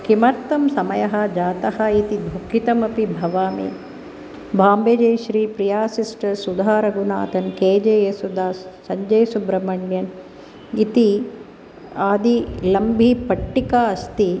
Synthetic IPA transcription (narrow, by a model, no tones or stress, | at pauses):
kimɐɾt̪ːɐmsɐmɐjɐɦɐ̆d͡ʒaːt̪ɐhɐ̆it̪id̪ʱukit̪ɐmɐpibʱɐʋaːmḭː | bʱaːmbeːd͡ʒejʃɾiːpɾijaːsisʈɐɾsud̪ʱaːɾɐɡunaːt̪ɐnkeːd͡ʒeːjesud̪ʱaːsɐɲd͡ʒɐjsubɾɐmɐɳjɐn | it̪i | aːd̪ilɐmbʱipɐʈːikaːɐst̪i